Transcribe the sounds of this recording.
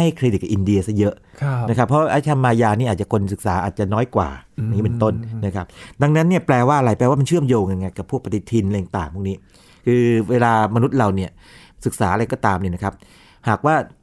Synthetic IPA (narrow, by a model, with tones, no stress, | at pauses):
a˥˩jkʰɾe˧ti˨˩k̚ːa˨˩ʔi˧ndi˧ɐsa˦˥˩jɤ˦˥ʔʰna˦˥kʰa˦˥pʰːɔ˦˥˧ʔa˦˥t͡ɕʰa˧mːaː˧jaː˧niː˥˩ʔaː˨˩t͡ɕa˨˩kʰo˧nsɯ˨˩k̚saː˩˦ʔaː˨˩t̪̚t͡ɕa˨˩nɔː˦˥jkwa̰ː˨˩a˧ŋiː˦˥me˨˧nt̪o˥˩nna˦˥˩kʰa˦˥p̚da˧ŋna˦˥nːi˥˩əplɛː˧waː˥˩ʔa˧ɾa˧˩jpɛː˧waː˥ma˧nt͡ɕʰɯ˥˩əmjoː˧ŋka˧nŋa˧jka˨˩pʰu˥˩k̚pa˧t̪i˨˦˩t̪ʰi˧n˧ja˨˧ŋt̪aː˨˩ŋpʰu˥˩niː˦˥ | kʰɯː˧weː˧laː˧ma˧nu˦˥t̪̚ɾa˧wni˥˩ɐ | sɯ˨˩k̚saː˩˦ʔa˧ɾa˧jkɔː˥˩t̪aː˧mni˥˩na˦˥kʰa˦˥p̚ | haː˨˩k̚waː˥˩